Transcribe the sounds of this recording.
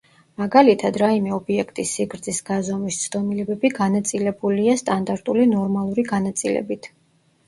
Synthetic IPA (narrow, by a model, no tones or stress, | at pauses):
maɡalit̪ʰad̪ɾaimɛɔbiɛkʰt̪ʼisːiɡɾd̪zisɡ̥azamist̪sʰd̪ɔmilɛbɛbiɡanat̪sʼilɛbuliast̪ʼand̪aɾt̪ʼulinɔɾmalˠuɾiɡanat̪sʼilɛ̰bit̪ʰ